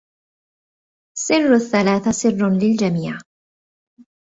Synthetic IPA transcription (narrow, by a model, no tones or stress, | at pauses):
sɪrˤːaθːalaːθasɪrːlɪld͡ʒamiːʕ